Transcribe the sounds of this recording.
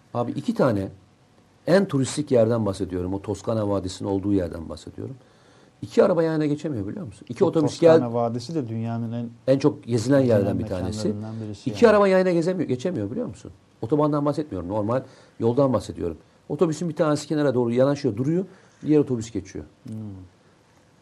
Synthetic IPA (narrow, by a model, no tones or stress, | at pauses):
haːbiʔicʰit̪ʰaːnɛ | ænt̪ʰuɾist̪ʰicjæɾd̪ænbaxse̞d̪ijo̞ɾumot̪ʰo̞skʰanavaːd̪esinḭno̞lˠd̪uːjæɾd̪æ̰nba̰xse̞d̪ijo̰ɾum | icʰiaɾabajajɯnaɟet͡ʃʰemijo̞bilʲijo̞ɾmusunicʰio̞t̪obysɟænavaːd̪esid̪ɛd̪ynjaːnɯnɛnænt͡ʃʰo̞kje̞zilʲænjæɾd̪ænbitʰaːnne̞sinæniɾiicʰiaɾabajajɯnaɟe̞zemijoɟe̞t͡ʃʰemijo̞bilʲijo̞ɾmusṵn | o̞t̪ʰo̞band̪anbaxsɛt̪̚mijoɾumno̞ɾmalʲ | jo̞lˠd̪anbaxse̞d̪ijo̞ɾum | o̞t̪ʰo̞bysinbit̪ʰaːne̞si̥cʰe̞naɾad̪o̞ːɾujanaʃɯjod̪uɾujo | d̪ijeɾo̞t̪ʰo̞bysɟe̞t͡ʃʰḭjo̞̰